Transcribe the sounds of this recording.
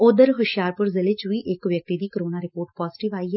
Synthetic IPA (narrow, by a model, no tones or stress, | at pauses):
oːd̪əɾɦʊʃjaːɾpʊɾzɪlet͡ʃʊiʔɪkʋjək̚t̪id̪iːkəɾoːnaɾɪpoːɾʈpɔːzɪʈɪʋaːiɦɛ